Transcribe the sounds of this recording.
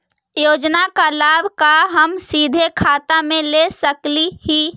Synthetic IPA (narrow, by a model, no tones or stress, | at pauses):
joːd͡ʒnakalaːbʱkaɦəmsiːd̪ʱekʰaːt̪amẽlesəklihi